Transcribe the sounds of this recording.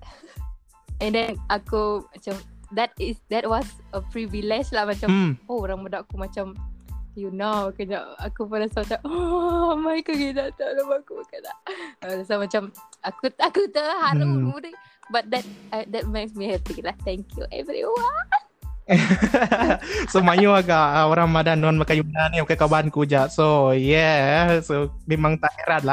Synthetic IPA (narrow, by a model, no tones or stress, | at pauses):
ɛ̃ndɛ̃nʔakumat͡ʃamd̪ɛt̚ɪsd̪ɛt̚wɔsəpɹivilɛd͡ʒlahmat͡ʃamoɾaŋmudaʔakumat͡ʃamjunakəɲa̰ʔakupanasat̪aomajkəɡidat̪əɾamakukalaʔadasamat͡ʃamakut̪akut̪əhaɾudə | bat̪̚dɛt̚d̪ɛt̚masmiɛt̪ilaht̪ɛŋkjṵʔɛ̰vɾḭwan | somajuaɡaʔaoɾaŋmadanːanmakajunanimakajkabaankud͡ʒaʔsojɛsomemaŋt̪ahɛɾat̪la